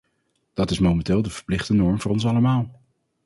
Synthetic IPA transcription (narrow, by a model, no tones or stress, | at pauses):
d̥ɑtɪsmomɛntɪːlˠdəv̥əɹplɪχdənɔɹmvʊːɹɔns̬ɑləmaːlˠ